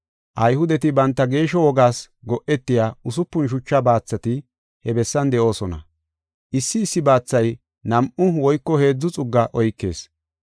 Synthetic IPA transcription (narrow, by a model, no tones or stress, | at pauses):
ʔɐjhʊd̪ɛt̪ɪbɐnt̪ːɐɡe̞ːʃɔwɔɡaːs | ɡɔʔɛt̪ːɪjaːʊsʊpːʊnʃ̬ʊt͡ʃːɐbaːt͡sːɐt̪ɪ | hɛbɛsːɐnd̪ɛʔo̞ːsɔnɐ̰ | ʔɪsːɪːsːɪbaːt͡sːɐj | nɐmʔʊwɔjkːɔhe̞ːd͡zːʊt͡sʼʊɡːɐʔɔjkːe̞̰ːs